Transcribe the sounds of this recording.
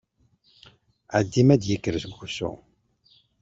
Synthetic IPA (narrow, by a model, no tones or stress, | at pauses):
ʕad̪ːimæd̪jəkːəɾzmxusṵ